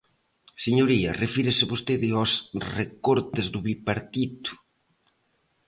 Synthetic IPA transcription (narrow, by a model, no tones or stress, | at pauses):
seɲoɾiɐrefiɾɪsɪβost̪eðɪɔsrekoɾt̪ɪzðʊβipaɾt̪it̪ʊ̥